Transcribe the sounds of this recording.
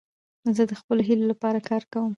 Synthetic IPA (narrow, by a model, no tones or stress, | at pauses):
zəd̪əxpəloɦilolapɑɾakɑɾkawəm